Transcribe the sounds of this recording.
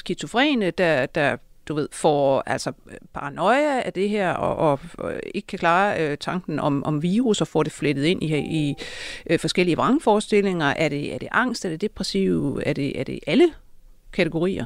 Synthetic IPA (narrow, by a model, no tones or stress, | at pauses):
sɡ̥i̥t͡sʰo̝fʁɛ̰ːnəd̥æd̥æd̥uʋe̝ð̞̰ˠfɒ̰ːæl̰sɒpʰɑ̈ʁɑnɒ̽ɪææɐd̥e̝ɦeɐ̰ɒʔɒ̽e̝ɡ̥ə̥kʰækʰlɑ̈ːt͡sʰɑ̈ŋɡ̥n̩ɒ̽mʔɒ̽mʋiːʁusɒ̽fɒd̥e̝fled̥ð̩ˠe̝n̰ihi | fɒ̽sɡ̥el̰iəʋɑ̈ŋfɒːsd̥e̝l̰e̝ŋɐʔæɐɾ̥e̝æɐd̥e̝ʔɑ̈ŋ̰sd̥æɐd̥e̝d̥e̝b̥ʁɛsiʊæɐd̥e̝æɐd̥e̝ʔælə | kʰæt͡sʰeɡ̥o̝ʁḭːɐ